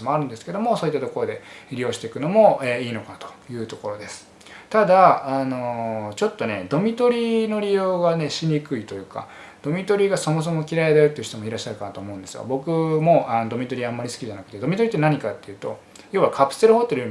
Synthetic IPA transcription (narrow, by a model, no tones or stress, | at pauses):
imo̞aɾɯ̟̃nd̪e̞sɨ̥ke̞d̪o̞mo̞so̞ːit̪ːat̪o̞ko̞ɾo̞d̪e̞ɾʲijo̞ːɕi̥t̪e̞kɯ̟no̞mo̞eiːno̞kant̪o̥jɯ̟ːt̪o̞ko̞ɾo̞d̪e̞sɨ̥ | t̪ad̪aːno̞t͡ɕo̞t̪ːo̞ne̞d̪o̞mʲit̪o̞ɾʲino̞ɾʲijo̞ːɡane̞ɕiɲ̟ikɯ̟it̪o̞jɯ̟ːka̰ | d̪̥o̞mʲit̪o̞ɾʲiɡaso̞mo̞s̬o̞mo̞kʲiɾaed̪eot̪ːei̟ç̥i̥t̪mo̞iɾaɕːaɾɯ̟kanat̪oːmo̞ɯ̃nd̪e̞sɨ̰ɡa̰bo̞kɯ̟mo̞ʔanod̪o̞mʲit̪o̞ɾʲiamːaɾʲisɨ̥kʲiʑanakɯ̟t̪e̞d̪o̞mʲit̪o̞ɾit̪ːe̞naɲ̟ikat̪ːe̞jɯ̟ːt̪o̞ | jo̞ːβakʰapɯ̟̥se̞ɾɯ̟ho̞t̪ːe̞ɾɯɯ